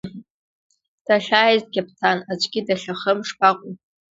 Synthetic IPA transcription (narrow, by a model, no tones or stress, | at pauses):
d̥aɬaːjzd̚ɡʲapʰtʰanad͡ʒʷʼɡʲɪdaɬaχəmʂpaqʷʼʊ